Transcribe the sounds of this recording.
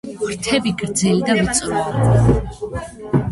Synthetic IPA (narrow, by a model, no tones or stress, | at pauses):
ɾt̪ʰɛbiɡɾd̪zɛlid̪avit̪sʼɾɔi